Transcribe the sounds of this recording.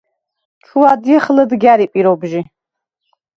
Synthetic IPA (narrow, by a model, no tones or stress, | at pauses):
ʈ͡ʂʰuwadjɛχəlɐdɡʲaɾipʼiɾobʒi